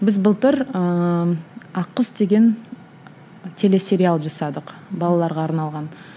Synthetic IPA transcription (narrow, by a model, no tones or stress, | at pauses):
bɪzbəlˠt̪əɾə | ɑqːəsd̪e̞ɡʲe̞n | t̪ʰe̞le̞sʲe̞ɾʲialˠʒɑsɑd̪əqbɑlˠɑlˠɑɾʁɑːɾnɑlˠʁɑn